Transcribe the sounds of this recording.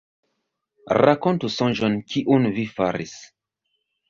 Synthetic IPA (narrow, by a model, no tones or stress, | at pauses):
ɾakontusõnʒonkʰiʔunvifaɾḭs